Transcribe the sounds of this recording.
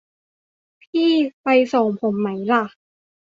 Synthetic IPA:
pʰiː˥˩pa˧jso˨˩ŋpʰo˩˦mːa˦˥jla˧˩

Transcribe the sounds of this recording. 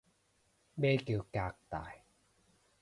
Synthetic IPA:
beː˧˩ke˨˦kaː˨˩k̚t̪a̰ː˨˩˨j

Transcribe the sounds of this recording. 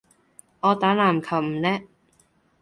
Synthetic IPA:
ŋɔː˨˧t̪aː˨˥naː˨˩mkʰɐ˨˩wm̩˨˩lɛː˥

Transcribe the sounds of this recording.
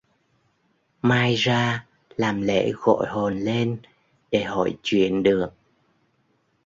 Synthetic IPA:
maː˧jzaː˧ | laː˨˩mlḛ˧˥ɣo̰˧˨jɦo˨˩nle˧n | ɗe˧˩ɦɔ̰˧˩jt͡ɕwḭ˧˨ənɗɨ˨˩ək̚

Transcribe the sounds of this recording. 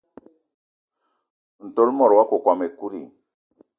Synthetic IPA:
n̩˨to˦lmɔ˨ɾwa˦ko˨kwa˨me˨ku˦ɾḭ˨

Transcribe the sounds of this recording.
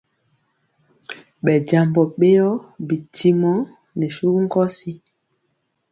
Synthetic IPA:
ɓɛ˨ɟa˨mbɔ˨ɓe˦jɔ˦bi˨ti˦mɔ˦ | nɛ˨su˦ku˦ŋ˦kɔ˦si˦

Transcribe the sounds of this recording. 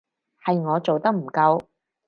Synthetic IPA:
hɐ˨jŋɔː˨˧t͡so˨wt̪ɐ˥k̚m̩˨˩kɐ˧w

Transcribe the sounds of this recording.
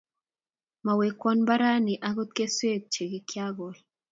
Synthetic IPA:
ma˨we˨kwɔ˦nba˦ɾa˦ni˨ʔa˦ɣo˦t̪̚ke˦swe˦˨k̚t͡ʃe˨ɡi˨kja˦ɣɔ˨l

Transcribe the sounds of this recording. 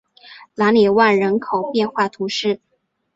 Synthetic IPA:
la˧˥nlɛ˨˩wa˥˩nɻə˧˥nkʰo˨˩ʊpjɛ˥˧nxwa˥˩t̪ʰu˧˥ʂɻ̩˥˩

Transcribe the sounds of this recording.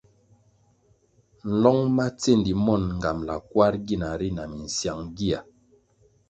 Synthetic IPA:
n̩˨lɔ˦ŋma˦t͡se˦˨n˨di˨mɔ˦˨nŋ̩˨ɡa˨mla˨kwa˦ɾɡi˦˨na˨ɾi˦na˨mi˨n̩˨sja˨ŋɡi˦a˨

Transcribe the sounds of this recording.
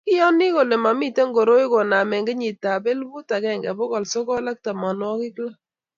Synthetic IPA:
kɪ˦jɔ˦nɪ˦ko˨le˨ma˨mi˦te˦ŋɡo˨ɾo˦i˦ko˨na˨mɛ˨ŋɡe˦ɲi˨ta˨be˦lbu˦ta˨kɛ˦˨ŋɡɛ˨bɔ˦kɔ˨lsɔ˦kɔ˦la˦k̚ta˨mɔ˨n˦ɔ˦kɪ˦kla˦

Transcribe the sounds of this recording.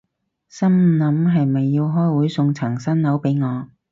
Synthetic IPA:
sɐ˥mnɐ˨˥mɦɐ˨jmɐ˨jːi˧wɦɔː˥jwuː˨˥jsʊ˧ŋt͡sʰɐ˨˩ŋsɐ˥nlɐ˨˥wpe˨˥jŋɔː˨˧

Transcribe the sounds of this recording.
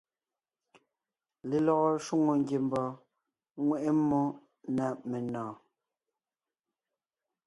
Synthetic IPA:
le˨lɔ˨ɣɔ˦˨ʃu˦ŋo˨ŋ˦ɡje˨m˦bɔː˨ | ŋwɛ˨ʔe˦mːo˦ | na˨me˨nɔ̃ː˨

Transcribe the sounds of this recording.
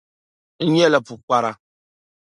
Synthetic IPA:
n̩˦ɲɛ˦la˨pu˨k͡pa˦ɾa˦

